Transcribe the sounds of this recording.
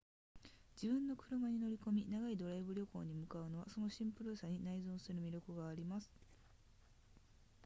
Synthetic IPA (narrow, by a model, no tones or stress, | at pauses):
d͡ʑibɯ̟̃nːo̞kɯ̟ɾɯ̟maɲ̟ino̞ɾʲiko̞mʲinaɡaid̪o̞ɾaibɯ̟ɾʲo̞ko̞̰ːɲ̟imɯ̟kaɯ̟no̞β̞aso̞no̞ɕĩmpɯ̟ɾɯ̟saɲ̟inaizõːsɨɾɯ̟mʲiɾʲjo̞kɯ̟ɡaːɾʲimasɨ̥